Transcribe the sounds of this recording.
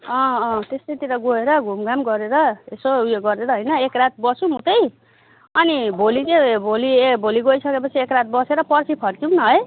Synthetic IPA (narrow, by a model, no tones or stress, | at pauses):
ʌ̃ːt̪est̪ʌjt̪iɾʌɡoeɾʌɡʱumɡamɡʌɾeɾʌesojoɡʌɾeɾʌɦʌjnʌekrat̪̚bʌsumũt̪ʌj | ʌnibʱolit͡sebʱolibʱoliɡoisʌkepʌt͡sʰiekrat̪̚ʰbʌseɾʌpʌrsipʰʌrkiwnʌɦʌj